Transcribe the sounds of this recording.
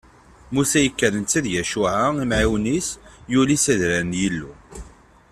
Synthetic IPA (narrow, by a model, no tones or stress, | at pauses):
musæjəkːəɾənt͡s̪ːæðjæʃuʕaimʕiwnisjulisæðɾænjilːu